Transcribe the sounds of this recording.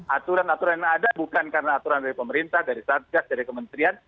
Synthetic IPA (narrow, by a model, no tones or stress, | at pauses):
ʔat̪uɾanat̪uɾanadabukankaɾənaːt̪uɾandaɾipəməɾint̪ahdaɾisar̚ɡasdaɾikəmənt̪ɾian